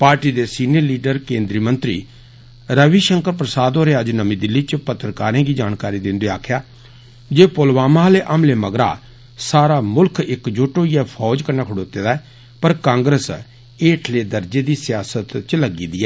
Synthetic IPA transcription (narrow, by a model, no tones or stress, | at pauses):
paːɾʈiːd̪eːsiːniəɾliːɖəɾkẽːnd̪ɾiːmə̃nt̪ɾḭː | ɾəʋiːʃəŋkəɾpɾəsaːd̪oːɾeːəd͡ʒnəmĩːd̪ɪlːiːt͡ʃpət̪ːɾəkaːɾẽːɡiːd͡ʒaːnkaːɾiːd̪ɪ̃nd̪eaːkʰjaː | d͡ʒeːpolʋaːmaːleːʔəmleːməɡɾa̰ː | saːɾaːmʊlkʰɪkd͡ʒoːʈoːijɛpʰɔːd͡ʒkəɾnaːkʰʊɽoːt̪eːd̪aːɛː | pəɾkãːŋɡɾəs | eːʈʰleːd̪əɾd͡ʒeːd̪iːsɪjaːsət̪t͡ʃləɡiːd̪iːɛː